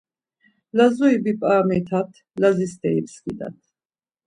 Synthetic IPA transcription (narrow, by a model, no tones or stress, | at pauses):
lazɔibipʼaːmit̪ʰat̪ʰ | lazist̪ʼɛipskid̪a̰t̪ʰ